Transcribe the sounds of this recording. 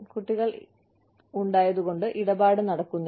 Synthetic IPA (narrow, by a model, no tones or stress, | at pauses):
kuʈːiɣɐɭ | uɳɖaːjɐðuɣo̞ɳɖɨʔiɽɐbaːɽɨnɐɽɐkːunːɐ